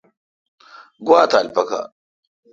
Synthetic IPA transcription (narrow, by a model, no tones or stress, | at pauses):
ɡwaːt̪alpaka̰